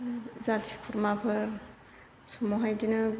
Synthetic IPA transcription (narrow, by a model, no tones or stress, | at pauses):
zatʰikʰuɾmapʰɯɾ | sɔmɔɦajdinɯ